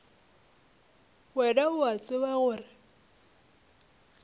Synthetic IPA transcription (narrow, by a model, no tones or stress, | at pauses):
wɛdaʊat͡sʼɪwaɣʊːrɪ